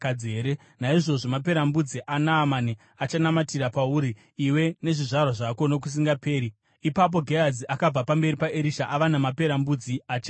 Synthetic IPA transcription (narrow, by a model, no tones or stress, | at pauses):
kad͡zieːɾe | naiʐo̞ʐomap̬e̞ɾambud͡ziʔanaːmani | at͡ʃanamatiɾapauɾiː | we̞ne̞ʐiʐarwaʐako̞nok̬us̬iŋɡape̞ːɾi | ipap̬o̞ɡʱejad͡ziʔakab͡vapambe̞ɾipaʔeɾiʃaʔaʋanamape̞ɾambud͡ziat͡ʃe